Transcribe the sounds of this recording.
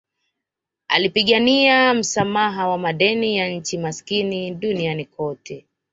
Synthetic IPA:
a̰lipiɠaniam̩samaɦawamaɗɛnijaɲ̩t͡ʃimaskiniɗunianikɔtʰɛ

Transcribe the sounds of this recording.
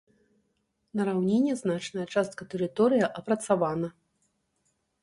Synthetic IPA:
nɐɾawnʲenʲːɛznat͡ʂnɐjɐt͡ʂast̪̚kɐt̪ɛɾɨt̪ɔɾɨjɐʔɐpɾɐt̪savanɐ

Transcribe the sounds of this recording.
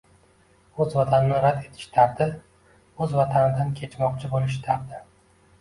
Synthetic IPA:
ɵzvat̪ʰanɪnɪɾad̪e̞t̪ʰɪ̥ʃt̪ʰaɾd̪ɪ | ɵzvat̪ʰanɪd̪ankʲʰe̞t͡ʃmɒqt͡ʃʰɪbolɪʃt̪ʰaɾd̪ɪ

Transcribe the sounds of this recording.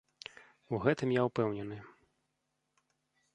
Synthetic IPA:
uɣɛt̪ɨmjaupɛwnʲɛnɨ

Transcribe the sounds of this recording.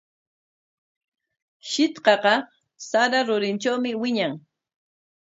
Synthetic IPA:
ʃɪt̪qɑqɑ | saɾaɾʊɾɪnt͡ʃawmɪwɪɲaŋ

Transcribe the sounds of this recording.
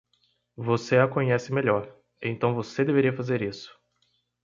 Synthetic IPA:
voseakõɲɛsɪmeʎɔɾ | ẽt̪ɐ̃w̃vosed̪eveɾiɐfazeɾisʊ̥

